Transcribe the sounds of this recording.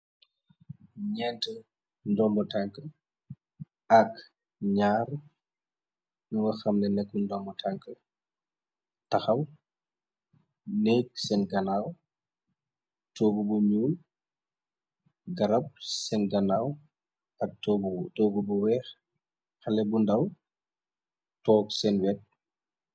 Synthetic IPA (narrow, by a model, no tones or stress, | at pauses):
ɲɛːntə | ndɔmbɔtaŋkə | ɐk | ɲaːɾ | nuwɐxɐmnɛnɛkːundɔmbɔtʰaŋkə | tɐxɐw | nɛːksɛnɡɐnaːw | tɔːɡubuɲuːl | ɡɐɾɐp̚sɛnɡɐnaːw | ɐtɔːɡubuwɛːx | xɐlɛbundɐw | tɔːksɛnwɛt̚